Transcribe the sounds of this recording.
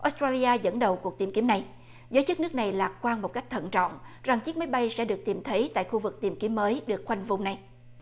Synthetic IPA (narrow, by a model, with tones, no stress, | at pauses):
ʔo˨˦˥st̪ɾaː˧li˧aː˧zə̰˧˥nɗə˨˩wku˨˩ət̪i˨˩mki˨˦mna˨˩j | zəː˨˦jt͡ɕɨ˦˥k̚nɨ˦˥k̚na˨˩jlaː˨˩k̚kwaː˧nmo˨˩t̚ka˦˥k̟̚t̪ʰə̰˧˨nt͡ɕɔ̰˧˨nza˨˩ŋt͡ɕi˦˥k̚maː˨˦jɓa˧jsɛ̰˧˥ɗɨ˨˩ək̚t̪i˨˩mt̪ʰə˨˦jt̪a̰ː˧˨jxu˧vɨ˨˩k̚t̪i˨˩mki˨˦mːəː˨˦jɗɨ˨˩ək̚xwa˧jŋ̟vʊ˨˧˩wŋ͡mna˨˩j